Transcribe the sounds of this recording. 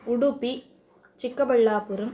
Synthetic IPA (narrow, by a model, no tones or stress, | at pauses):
ʊɽupːi | t͡ʃɪkːɐbɐɭːaːpɯɾɯm